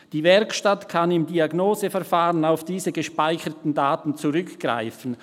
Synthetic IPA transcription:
d̥iːvɛɐkʃtatkʰanɪmdiaɡnoːzəfɛɐfaːʁənaʊfd̥iːzəɡəʃpaɪçətn̩daːtn̩t͡suʁʏkɡ̥ʁa̰ɪfən̩

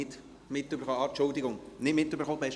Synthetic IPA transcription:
ɪt | mɪt̪ːybəɾχoɑt͡ʃʊld̪ɪɡʊŋnɪtmɪtːybəɾχob̥ɛɪʃ

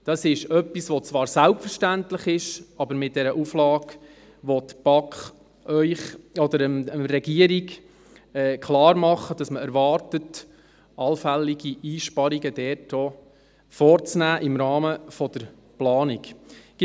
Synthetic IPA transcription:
d̥ɑsɪʃœpːisʋɔt͡svɑːɾsælpfəɾʃtæntləχɪʃɑbəɾmɪt̚d̥ɛɾəʔuflɑːɡ | ʋɔt̪b̥ɑkχ | œʏχɔd̪əɾəməɾɛɡiəɾik | ɛːkʰlɑːɾmɑχːəd̥ɑsməɛɾʋɑɾtət | ɑlfæliɡiʔiːʃpɑɾiɡəd̥ɛːɾtɔː | fɔːɾt͡snæːʔɪmɾɑːməfɔd̥̪əɾ | plɑːnik

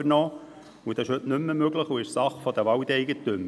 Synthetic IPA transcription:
əɾnɔː | ud̥̪ɑsɪʃhɵtnʏmːəmøɡləχuɪʃsɑχfɔd̪əʋɑwt̪ɛɪɡətːʏm

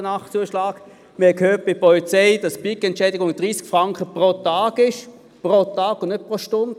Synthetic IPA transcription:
ənɑχt͡suəʃlɑːɡ | mɪhɛkhøːt̚b̥ɪpɔlit͡sɛɪd̥ɑsb̥ikɛntt͡ʃɛːdɪɡʊŋd̥ʁiːskfʁɑŋkχəpʁotɑːɡɪʃ | pʁotɑːɡʊnnøt̚pʁoʃtʊnd̥

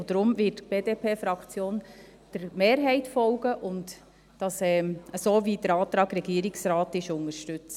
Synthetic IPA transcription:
od̥̪ɾʊmvɪtb̥eːdepʰeːfɾɑkt͡sjoːn | d̥əɾmeːɾɦɛɪtfɔlɡəʔʊnt | d̥ɑsɛːəsoːvid̥əɾɑːtɾɑːɡɾɛɡiəɾiksɾɑːtɪʃʊŋəʃtʉt͡s

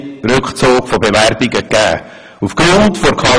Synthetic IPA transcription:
ɾøkχt͡soːkfɔbevæɾbiɡəkːæ̰ː | ufkɾyŋtfoɾkʰɑ

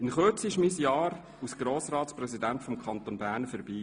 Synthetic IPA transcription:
ɪnχøt͡sɪʃmisjɑːɾ | usɡ̥ɾoːsɾɑːtsprɛsidæntfɔmkʰɑnt̪onbæːɾnfɛɾbiː

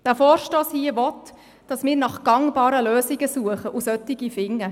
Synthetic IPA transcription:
d̥æːfɔːɾʃtoːshiːəʋɔt | d̥ɑsmɪːɾnɑχɡ̥ɑŋbɑːɾəløːsɪɡəsuəχəʔusœtɪɡifɪŋːə

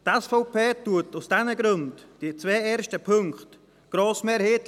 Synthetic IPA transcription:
tɛsfɔʊpʰeːtuətusd̥ɛnəɡɾøntd̥iət͡sveːɛːɾʃtəpʰɵŋkt | ɡ̥ɾoːsmeːɾheːt

